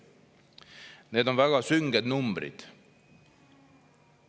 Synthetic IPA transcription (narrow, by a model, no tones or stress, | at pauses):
ne̞ːd̪o̞nvæɡ̥ɑsyŋɡed̪numbɾḭd̪̥